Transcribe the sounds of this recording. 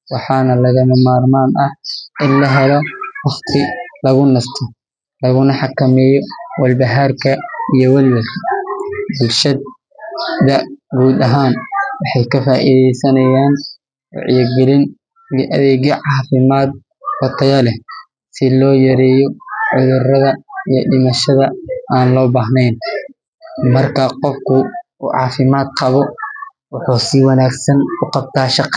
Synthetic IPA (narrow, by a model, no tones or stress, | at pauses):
wɑħɑːnɐlɐɣɐnɐmaːrmaːnɐhʔɪnlɐɦɛlɔwɑχt̪ʰɪlɐɣʊnɐst̪ʰɔ | lɐɣʊnɐħɑkʰɐmɛːjɔwɐlbɐɦarkʰɐijɔwɐlwɐlkʰɐbʊlʃɐd̪̚ | d̪ɐɡuːd̪ɐɦaːnwɑħɑjkʰɐfaːʔiðɛjsɐnɐjaːn | w̰ʕ̰jɐɡɛlɪn | ʔɐ̰ðɛːɣjɔʕɑːfɪmaːd̪̚ | hɔt̪ʰɐɣɐlɛ | sɪlɔːjɐɾɛːjɔʕʊðʊrɐðɐijɔɗɪmɐʃɐðɐaːnlɔːbaːɦnɛjn | mɐrkʰɐqɔfkʰʊuːʕɑ̰ːfɪmaːd̪̚qɑβɔ | wʊħuːsiwɑnaːɡsɐnkʰʊqɑb̚t̪ʰaːʃɑq